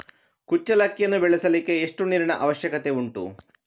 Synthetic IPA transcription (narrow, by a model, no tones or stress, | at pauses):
kut͡ʃːɐlɐkːijɐnːubɛɭesɐlikːe̞ːʂʈuniːɾɐɳɐʔɐʋɐʃjɐkɐt̪e̞uɳʈṵ